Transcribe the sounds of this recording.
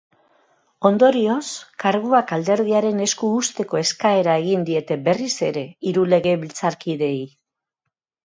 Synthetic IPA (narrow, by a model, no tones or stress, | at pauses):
o̞nd̪o̞ɾio̞skaɾɣuakald̪e̞ɾð̞iaɾe̞ne̞skuːst̪e̞ko̞e̞skae̞ɾae̞ɣind̪ie̞t̪e̞be̞rise̞ɾe̞iɾule̞ɣ̞e̞βilt͡saɾkiðe̞j